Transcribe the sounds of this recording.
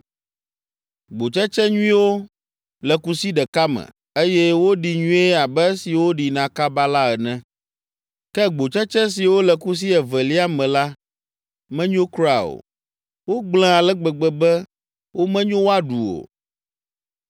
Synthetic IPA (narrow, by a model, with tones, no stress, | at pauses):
ɡ͡bo˨t͡ʃɛ˦t͡ʃɛ˦ɲũ˦ĩ˦wo˦ | lɛ˨ku˦si˦ɖɛ˨ka˦mɛ̰̃˨ | e˦jɛ˦wo˦ɖi˨ɲũ˦e˦a˨bɛ˦si˨wo˦ɖi˨nã˨ka˦ba˦la˦ɛ˨nɛ̃˦ | kɛ˦ɡ͡bo˨t͡ʃɛ˦t͡ʃɛ˦s̬i˨wo˦lɛ˨ku˦s̬i˦ɛ˨vɛ˨li˦a˦mɛ̃˨la˦ | mɛ̃˦ɲõ˦kɾa˨o̰˨ | wo˦ɡ͡blɛ̃˦a˨lɛ˦ɡ͡bɛ˨ɡ͡bɛ˨bɛ˦ | wo˦mɛ̃˦ɲõ˦wo˦a˦ɖu˨o̰˨